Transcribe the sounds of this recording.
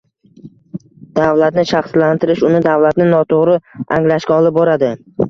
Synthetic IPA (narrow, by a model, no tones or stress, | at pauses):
d̪̥avlat̪nɪʃɑχslant̪ʰɪɾɪʃʊnɪd̪avlat̪nɪnɒt̪ʰoʁɾɪaŋlaʃkʲaɒlˠɪp̚boɾad̪ɪ